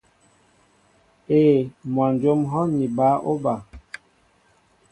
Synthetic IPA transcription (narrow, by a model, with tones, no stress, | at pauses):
eː˨mwa˨n˨d͡ʒo˦mɦɔ˦ɲi˨ba˨˦ʔo˦ba˨